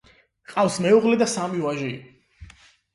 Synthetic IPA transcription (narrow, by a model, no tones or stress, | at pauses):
qʼafsmɛuʁlɛd̪asamiwaʒḭ